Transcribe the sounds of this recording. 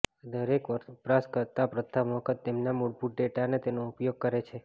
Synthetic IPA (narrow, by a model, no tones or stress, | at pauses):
d̪əɾekʋəpɾaskəɾt̪apɾət̪ʰːamɔkət̪ːemnamuɽpuʈ̚ɖeʈanet̪enoʊpjoɡ̚kəɾet͡ʃʰe